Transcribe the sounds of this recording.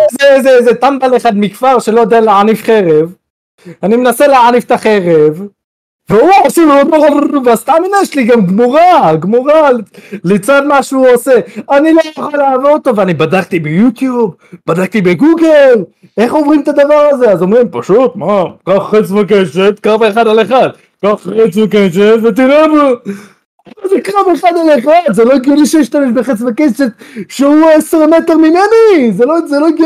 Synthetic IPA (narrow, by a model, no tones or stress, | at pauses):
zezezet̪ambaleχad̪mikfaʁʃe̞lo̞jod̪ealeʕanifχeʁev | animenaseleʕanift̪aχeʁev | veuosivadoʁavuuvast̪aminajʃliɡamɡmuʁaɡmuʁallet͡sad̪maʃuose̞anilojaχalːeavoʁot̪oveanibad̪ak̚t̪ibejut̪jub | bad̪ak̚t̪ibeɡuɡel | eχovʁimt̪ad̪avaʁazeazomʁimpaʃut̪̚makaχːet͡svak̬eʃet̪kaveχad̪aleχad̪̚ | kaχːet͡svakeʃet̪vet̪̬inabu | azekaveχad̪aleχad̪zeloiɡjuliʃejiʃt̪ameʃ̬beχet͡svakeʃet̪ʃeueseʁmet̪eʁmimenizelozeloɡ